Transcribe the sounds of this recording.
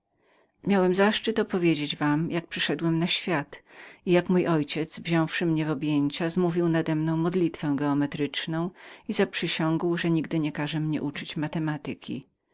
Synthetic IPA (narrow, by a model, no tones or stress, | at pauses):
mjawɛmzaʂt͡ʂɘt̪ɔpɔvʲjed͡ʑed͡ʑvamjak̚pʂɘʂɛd̪wɛmnaɕfʲjat̪ijakmujʔɔjt͡ɕɛd̪zvʑɔ̃w̃fʂɘmɲɛvɔbʲjeɲt͡ɕazmuvʲiwnad̪ɛmnɔ̃w̃mɔd̪lʲit̪fɛ̃w̃ɡɛɔmɛt̪ɾɘt͡ʂnɔ̃w̃izapʂɘɕɔ̃ŋɡwʐɛɲiɡd̪ɘɲɛkaʐɛmɲɛ̰ʔut͡ʂɘt͡ɕmat̪ɛmat̪ɪkʲḭ